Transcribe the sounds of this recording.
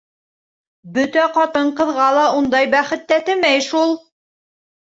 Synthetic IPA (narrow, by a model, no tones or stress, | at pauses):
bɵt̪æqɑt̪ɤɴqɤ̆ðʁɑlˠɑund̪ɑjbæχɘ̆t̪ːæt̪ɘ̆mæjʃulˠ